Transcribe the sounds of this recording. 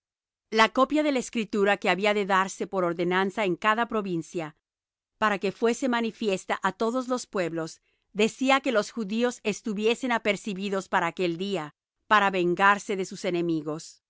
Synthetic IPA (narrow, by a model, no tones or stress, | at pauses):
lako̞pjaðe̞laeskɾit̪uɾake̞aβiaðe̞ðaɾse̞po̞ɾo̞ɾðe̞nansaeŋkaðapɾo̞βinsja | paɾake̞fwe̞se̞manifje̞st̪aʔat̪o̞ðo̞zlo̞spwe̞βlo̞z | ðe̞siake̞lo̞sxuðio̞se̞st̪uβje̞se̞nape̞ɾsiβiðo̞spaɾaːke̞ld̪ia | paɾaβe̞ŋɡaɾse̞ðe̞suse̞ne̞miɣo̞s